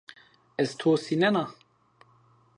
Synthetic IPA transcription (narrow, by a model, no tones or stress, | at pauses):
ɛzt̪ʰoːsinɛna